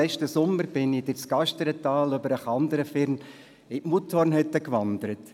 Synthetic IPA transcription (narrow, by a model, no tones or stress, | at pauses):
ɛʃtəsʊməɾbɪnɪd̥ɪt͡sɡ̥ɑʃtəɾɛt̪ɑːløbəɾəχɑnd̪əɾəfɪɾn | ɪʔmutʰɔrnɦɛt̪ːəkʋɑnd̪əɾət